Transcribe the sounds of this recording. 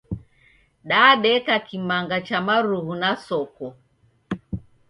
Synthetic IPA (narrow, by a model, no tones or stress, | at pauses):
ɗaɗɛkakimaŋɡat͡ʃamaɾuhunasɔkɔ